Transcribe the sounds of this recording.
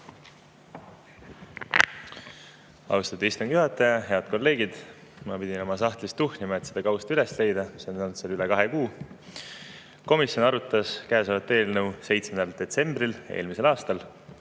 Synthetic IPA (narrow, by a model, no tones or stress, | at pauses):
ɑ̰wst̪ɑt̪ːˑeist̪uŋɡ̥juɦɑt̪ːˑɑjɑɦe̞ɑd̪̥ko̞lːe̞ːɡid̪̥ | mɑpid̪ʲino̞mɑs̬ɑht̪list̪uhnʲimɑe̞t̪sed̪ɑkɑwst̪yle̞sle̞jd̪̥ɑmisːo̞nunt̪selylekɑɦekuː | ko̞misjo̞nɑɾut̪ːˑɑskæesɑvɑt̪ːˑe̞ːlnɤwse̞jt̪smenɑld̪̥e̞t̪se̞mbrile̞̰ːlmise̞lɑːst̪ɑl